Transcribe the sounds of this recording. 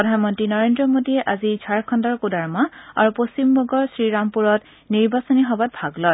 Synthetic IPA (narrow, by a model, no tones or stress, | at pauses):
ɔdʱanmɔntɹinɔɹendɹɔmodiɛʔazid͡ʒʱaɹkʰɔndɔɹkudaɹmaa̰ɹuposimbɔɡɔɹsɹiɹampuɹɔt | niɹbasɔniɦɔbat̚bʱaɡlɔj